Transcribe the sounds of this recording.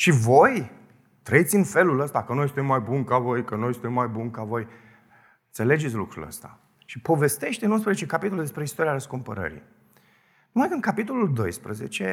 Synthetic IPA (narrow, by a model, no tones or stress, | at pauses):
ʃivo̞j | t̪ɾəit̪sʲɨnfe̞luləst̪akənojst̪emːajbunkavo̞jkənojst̪emːajbunkavo̞j | nt̪se̞le̞d͡ʒetsʲlukɾṵlə̰st̪a̰ | ʃipo̞ve̞st̪e̞ʃt̪eɨnunspɾəzet͡ʃe̞kapit̪o̞lud̪espɾeist̪o̞ɾiaɾəskumpə̰ɾə̰ɾḭ | numajd̪ɨnkapit̪o̞luld̪o̞̰jspɾəzet͡ʃe